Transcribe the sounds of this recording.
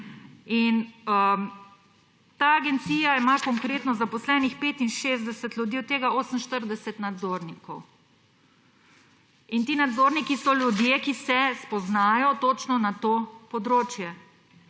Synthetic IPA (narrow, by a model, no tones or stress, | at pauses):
inə | t̪aːɡɛnt̪siːjaimakɔŋkɾeːt̪nɔzapɔslɛːnixpeːt̪inʃezd̪ɛsɛt̪lʲjud̪iːɔt̪ːeːɡaoːsən̩ʃt̪əɾd̪ɛsɛt̪nad̪zoːɾnikɔw | int̪iːnad̪zoɾnikisɔljud̪jekisɛspɔznaːjɔt̪ot͡ʃnɔnat̪opɔd̪ɾoːt͡ʃjɛ